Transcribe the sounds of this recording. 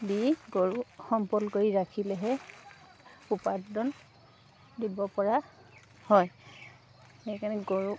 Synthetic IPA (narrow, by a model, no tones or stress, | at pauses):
biɡoɹuxɔmpɔlkoɹiɹakʰilɛɦɛ | upadɔn | dibɔpɔɹa | hɔj | hejkanɛɡoɹu